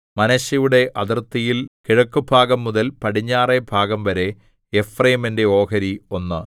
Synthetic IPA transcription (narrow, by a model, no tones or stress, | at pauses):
mɐnɐɕjɐjuɽe̞ʔɐðirt̪ːijilkiɻɐkːubʱaːɡɐmːuðɐlpɐʈiɲːaːrebʱaːɡɐmʋɐɾe̞ | efrɐjimende̞o̞ːkɐɾio̞nːɨ